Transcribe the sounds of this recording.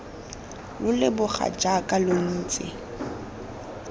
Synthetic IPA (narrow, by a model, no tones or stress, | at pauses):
lʊlɪbʊχa̰d͡ʒakʼalon̩ːt͡sʼɪ̰